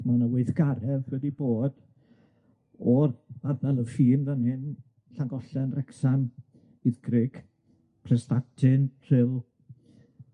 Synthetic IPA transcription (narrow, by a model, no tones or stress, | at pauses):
manəweɨθɡ̥aɾɛvwɛdiboːd̥ | ɔraðɛlˠəfiːmðənhɪn | ɬaŋɡɔɬɛnrɛksan | ɪðɡrɪɡ̥ | pʰrɛstatʰɪnr̥ɪlˠ